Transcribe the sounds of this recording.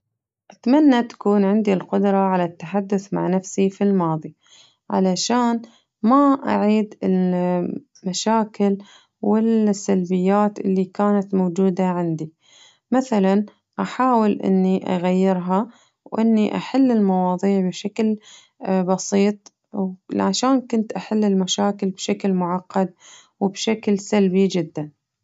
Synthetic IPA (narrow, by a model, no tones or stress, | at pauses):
ʔat̪manːat̪ḁkuːnʕɪnd̪ilqʊd̪ɾˤɑʕalat̪ːaħad̪ːʊθma̰ʕnafsifilmɑːðˤi | ʕa̰laʃaːn | maʔa̰ʕiːd̪ɪl | maʃaːkɪl | wɪlsːalbɪjːaːt̪ʔɪlːikaːnat̪mowd͡ʒuːd̪aʕɪnd̪i | maθalan | ʔaħaːwɪlʔɪ̰nːiʔa̰ɣajːɪɾɦa | wʔɪnːiʔa̰ħalːɪlmɑwɑːðˤiːʕbɪʃakl | bɑsiːt̪ˤ | wʕaʃaːnkʊnt̪ʔaħalːɪlmaʃaːkɪlbʃaklmʊʕɑqːɑd̪̚ | wɪbʃaklsalbid͡ʒɪd̪ːan